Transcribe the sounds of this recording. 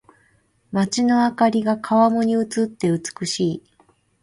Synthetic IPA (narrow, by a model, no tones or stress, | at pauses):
mat͡ɕino̞akaɾʲiɡakʰaβamo̞ɲ̟iɯ̟t͡sɨt̪ːe̞ɯ̟t͡sɨ̥kɯ̟ɕiː